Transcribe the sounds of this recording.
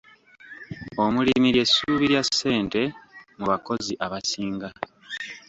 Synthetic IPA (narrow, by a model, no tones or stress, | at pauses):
o̞mulimiɾje̞sːuːβiɾjasːe̞ːnte̞muβako̞ziʔaβasiːŋɡa